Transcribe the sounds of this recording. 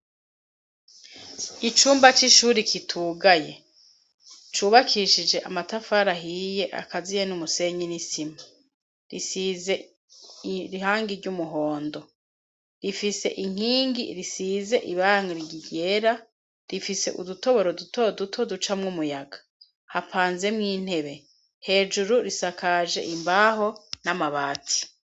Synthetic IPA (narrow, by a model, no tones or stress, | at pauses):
it͡ʃuːmbat͡ʃiʃuːɾikʰitʰuːɡaje̞̰ | t͡ʃuːβakʰiʃid͡ʒe̞ʔamatafaɾaɦije̞ʔa̰kazijenumuse̞ɲinisima | ɾisize̞ | ɾihaːŋɡiɾɟumuɦo̞ːndo̞ | ɾifise̞̰ʔiŋ̥iːŋɡiɾisiːze̞ʔiβaŋoɾiɟiɟe̞ːɾa | ɾifise̞ʔṵduto̞βo̞ɾo̞dutʰo̞dutʰo̞dut͡ʃamŋumujaɡḁ | hapʰaːnze̞mŋiːn̥he̞βe̞ | he̞ːd͡ʒuɾuɾisakaːʒe̞̰ʔimbaːɦo̞namaβaːtʰi̥